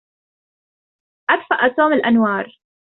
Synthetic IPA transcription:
ʔad̪faʔt̪oːmɪlʔanwɑːɾˤ

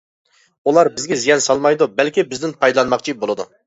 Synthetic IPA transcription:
ulˠɑɾbɪzɡʲɛzijɛnsɑlˠmɑjd̪ubɛlkʲibɪzd̪ɪnpʰɑjd̪lˠɑnmɑqt͡ʃʰibolˠɨd̪u

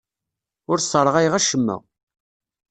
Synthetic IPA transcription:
ʊɾsˤəɾˤəʁæjʁæʃəmːæ̰

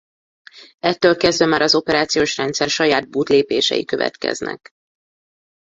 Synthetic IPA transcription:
ɛt̪ːøːlkɛzd̪vɛmaːɾɒzo̞pɛɾaːt̪sijoːʃrɛnt̪sɛrʃɒjaːd̪̚buːt̪leːpeːʃɛ̰jikøvɛ̰t̪kɛ̰znɛ̰k

